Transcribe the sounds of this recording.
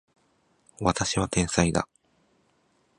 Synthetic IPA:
βat̪aɕiβat̪ẽ̞ɰ̃said̪a̰

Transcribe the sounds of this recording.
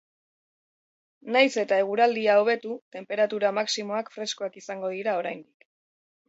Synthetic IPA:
najse̞t̪ae̞ɣ̞uɾald̪iao̞β̞e̞t̪ut̪e̞mpe̞ɾat̪uɾamaksimo̞akfɾe̞skoakisaŋɡo̞ðiɾao̞ɾajnd̪ik

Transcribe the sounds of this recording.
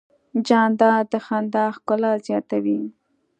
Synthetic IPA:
d͡ʒɑnd̪ɑd̪əxand̪ɑxkʊlazjɑt̪awi

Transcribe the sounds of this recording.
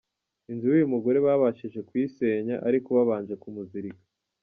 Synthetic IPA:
inzuwijumuɡo̞ɾe̞βaβaʃiʒe̞kwiːse̞ɲa̰ʔaɾikoβaβaːɲd͡ʒe̞kumuziɾikḁ

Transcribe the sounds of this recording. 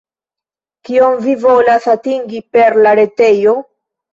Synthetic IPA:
kio̞mvivo̞lasatiŋɡipe̞ɾlaɾe̞te̞jo̞

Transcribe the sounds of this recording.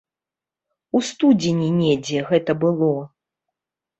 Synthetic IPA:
ust̪ud͡zʲinʲinʲɛd͡zʲɛɣɛt̪ɐbɨlˠɔ

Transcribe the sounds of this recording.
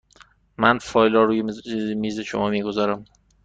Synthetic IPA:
mænfɒːjlɒɾuːjemiːzeʃo̰mɒːmiːɡozɒːɾæm

